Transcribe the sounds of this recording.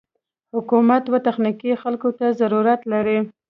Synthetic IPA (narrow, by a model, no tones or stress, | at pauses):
hʊkumat̪wat̪axnikixalkot̪azaɾuɾat̪laɾi